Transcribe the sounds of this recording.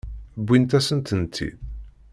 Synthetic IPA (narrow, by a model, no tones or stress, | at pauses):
bʷːint̪æsənt̪ənt̪ʰːḭd̪